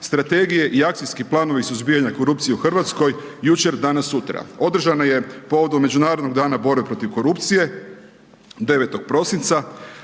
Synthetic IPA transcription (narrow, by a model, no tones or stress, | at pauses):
st̪ɾat̪e̞ɡije̞ʔiak̚t̪ijskiplˠaːno̞ʋisuzbijaɲako̞ɾupt̪sijeuxr̩ʋat̪sko̞jjut͡ʃe̞ɾd̪anasːut̪ɾa̰o̞d̪r̩ʒanaje̞po̞ʋo̞d̪omːe̞d͡ʒunaːɾod̪no̞ɡd̪aːnabo̞ɾbe̞pɾo̞t̪iʋko̞ɾupt̪sije̞ | d̪e̞ʋet̪o̞ɡ̥̚pɾo̞sint̪sa